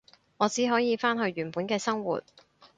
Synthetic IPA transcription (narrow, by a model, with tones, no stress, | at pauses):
ŋɔː˨˧t͡siː˨˥ɦɔː˨˥jiː˨˧faː˥nɦɵ˧ɥɥyː˨˩npuː˨˥nkɛː˧sɐ˥ŋwṵː˨˩t̚